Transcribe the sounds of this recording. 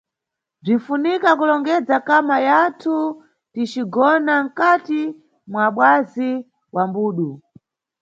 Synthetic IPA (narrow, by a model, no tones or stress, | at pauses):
b͡ʐinfunikakulɔŋɡɛd͡zakamajatʰu | tit͡ʃiɡɔnaŋ̩kati | mwaɓwazi | wambuːɗu